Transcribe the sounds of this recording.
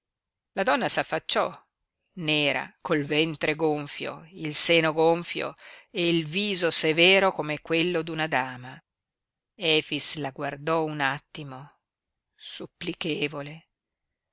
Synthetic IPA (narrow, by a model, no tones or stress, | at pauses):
lad̪ɔnːasafːat͡ʃːɔ | neːɾa̰kolvɛnt̪ɾeɡoɱfjo̰ilseːnoɡoɱfjo̰eilviːzosevɛːɾokomekːwelːod̪unad̪aːma | ɛːfislaɡward̪ɔunat̪ːimo | supːlikeːvole